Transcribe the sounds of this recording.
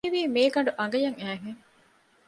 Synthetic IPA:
iʋiːmeːɡɐɳɖuʔɐŋ̆ɡɐjɐŋæːɦeŋ

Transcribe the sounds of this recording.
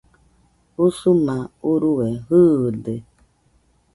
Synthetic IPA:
usumãuɾuwɛɦɨde

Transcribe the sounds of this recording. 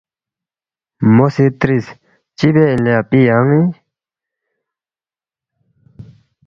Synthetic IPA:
mosit̪ɾis | t͡ɕipɛlapijaŋi

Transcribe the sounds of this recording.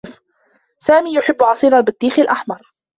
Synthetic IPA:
f | saːmiːjʊħɪbːʕɑsˤiːɾɑbɪt̪ˤːiːxɪlʔaħmɑɾˤ

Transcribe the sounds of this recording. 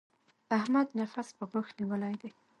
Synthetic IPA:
ahmad̪nafaspəbəxniwəlajd̪e

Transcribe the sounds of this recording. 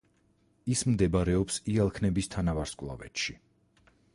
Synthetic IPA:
ismd̪ɛbaɾɛɔpsialˠkʰnɛbist̪ʰanavaɾskʼlˠa̰vɛ̰t̪ʃi

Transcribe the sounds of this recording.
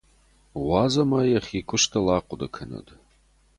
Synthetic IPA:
ʁʷɑzɐmɐjɐχʲiːkʷʰʊʂtʰɐlaːqʷʼʊdɐkʰɨnɐ̰dʼ

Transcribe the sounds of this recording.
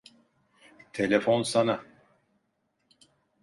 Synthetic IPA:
t̪ʰelʲefonsana

